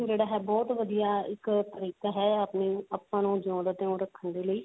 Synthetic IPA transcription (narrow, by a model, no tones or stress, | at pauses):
d͡ʒeːɽaːɦɛːbɔːt̪ʋəd̪ijaːɪkt̪əɾiːkaːɦɛːəpniːəpːãːnũːd͡ʒãːd̪t̪ẽːõːɾəkʰːənd̪eːləiː